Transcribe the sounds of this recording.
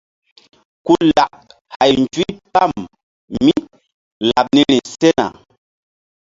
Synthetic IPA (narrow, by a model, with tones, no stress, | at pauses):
ku˦la˨ʔ | ha˨ji˨n˨twi˦pa˦˨m | mi˦ | la˨p̚ni˦ni˨sɛ˦na̰˨